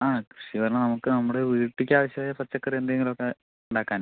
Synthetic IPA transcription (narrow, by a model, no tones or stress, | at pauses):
aːkɾiʂiʋɐɾnːɐnɐmukːɨnɐmːuɽeʋiːʈːikʲːaːʋɐɕjɐʋaːjapɐrt͡ɕːɐkːɐrend̪eŋɡilokːe | uɳɖaːkːaːn